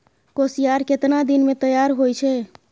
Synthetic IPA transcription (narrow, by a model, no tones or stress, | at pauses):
kosijaɾket̪nad̪inmet̪əjaɾɦojt͡ʃʰɛ